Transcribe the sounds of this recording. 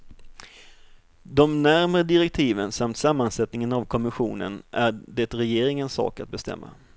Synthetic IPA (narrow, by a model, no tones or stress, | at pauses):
d̪ɔmnæɾmɾəd̪ɪɾɛk̚t̪ʰiːvənsamt̪samːansɛt̪nɪŋənavkʰɔmɪɧṵːnə̰nʔæɖɛt̪ɾɛjeːɾɪŋənsɑ̰ːkat̪̚bɛst̪ɛ̰mːa̰